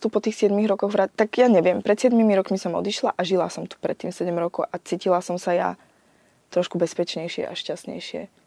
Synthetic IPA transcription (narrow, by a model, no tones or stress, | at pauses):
t̪upɔt̪iːxsɪɛd̪miɣɾɔkɔɣʋɾat̪aɡjaɲɛʋɪɛmpɾɛt̪sɪɛd̪mimiɾɔkmisɔmɔ̰d̪iʃlaʔaʒila̰sɔmt̪u̥pɾɛt̪ːiːmsɛɟɛmɾɔkɔʊʔat͡siːcilasɔmsaja̰ | t̪ɾɔʃkubɛspɛt͡ʃɲɛjʃɪɛ̰ʔa̰ʃcastɲɛ̰jʃɪɛ̰